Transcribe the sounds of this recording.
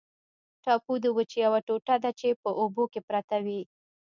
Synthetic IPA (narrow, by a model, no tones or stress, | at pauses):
ʈɑpud̪əwət͡ʃejawaʈoʈad̪at͡ʃepəʔobokepɾat̪awi